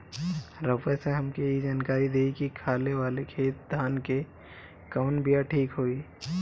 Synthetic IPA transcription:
ɾəpeseɦɐmkejid͡ʒaːnkaːɾid̪eːikikʰaːleʋaːlekʰeːt̪̚d̪ʱaːnke | kəʋnbijaʈʰiːkɦoːiː

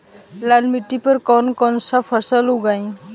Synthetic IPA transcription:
lanmiʈːipəɾkɔnkɔnsapʰəsəluɡaj̃

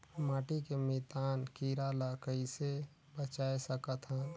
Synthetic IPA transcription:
maːʈikemit̪aːnkiɾalakəise | bət͡ʃaːesəkət̪ɦə̃

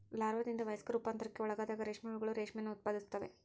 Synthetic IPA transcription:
laːɾʋɐd̪ind̪ɐʋɐjskɐɾupaːnt̪ɐɾɐkːeɔɭɐɡaːd̪aːɡɐɾeːʂmɛɡɐɭuɡɐɭuɾeːʂmejnːuːt̪̚paːd̪ist̪ɐʋe̞̰

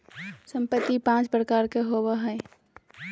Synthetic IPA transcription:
sə̃mpət̪ːipãːt͡ʃpɾəkaːɾkeɦowaɦɛ

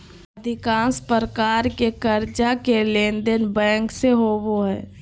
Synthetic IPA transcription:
əd̪ʱɪkãːnspəɾəkaːɾkekəɾd͡ʒakelẽːnd̪ənbɛ̃ːŋkseɦoboɦɛ̰ː

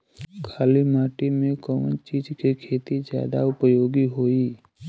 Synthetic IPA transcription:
kʰaːlimaːʈimẽkɔʋə̰nt͡ʃiːd͡ʒkikʰeːt̪izja̰ːd̪a̰ʊpəjoːɡiɦoːiː

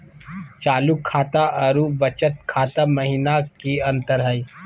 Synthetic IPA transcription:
t͡ʃaːlukʰːaːt̪aʔɐɾuʋət͡ʃət̪̚kʰaːt̪amɐɦinakiɐ̃nt̪əɾɦɛiː

